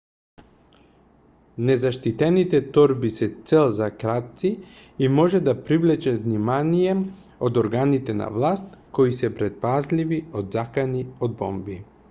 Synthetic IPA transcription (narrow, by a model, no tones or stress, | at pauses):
nɛzaʃt̪it̪ɛnit̪ɛt̪ɔɾbisɛt̪sɛlˠzakɾat̪̚t̪si | imɔʒɛd̪apɾivlɛt͡ʃɛvnimanijɛ | od̪oɾɡanit̪ɛna̰vlˠast̪kɔisɛpɾɛt̪̚pazliviod̪zakaniod̪̚bɔ̰mbi